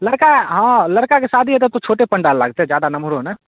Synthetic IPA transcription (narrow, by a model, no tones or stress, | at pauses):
ləɽkaɦãləɾkakesad̪ʱiɦɛt̪̬et̪ot͡ʃʰoʈepəɳɖalːa̰ːɡ̚t̪eɦɛd͡ʒad̪anəmɾonə